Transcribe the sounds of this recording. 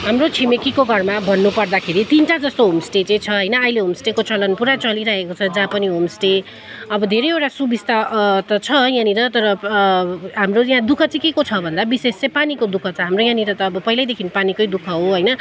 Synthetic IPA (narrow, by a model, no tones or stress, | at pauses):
ɦamrot͡sʰimekikoɡʱʌrmabʱʌnːupʌrd̪akʰeɾit̪inʈad͡zʌst̪oɦomsʈet͡sʌ̃t͡sʰʌɦʌjnʌʌileɦomsʈekot͡sʌlʌnpuɾat͡sʌliɾaɦekot͡sʰʌd͡zãpʌniɦomsʈe | ʌbʌd̪ʱeɾʌjewʈasubʱist̪at̪ʌt͡sʰʌjãniɾʌt̪ʌɾʌ | ɦamrojãd̪ukʰʌt͡sʌ̃kekot͡sʰʌbʱʌnd̪abisest͡sʌ̃panikod̪ukʰʌt͡sʰʌɦamrojãniɾʌt̪ʌːbʌpʌɦilajd̪ekʰinpanikʌjd̪ukʰʌɦoɦʌjnʌ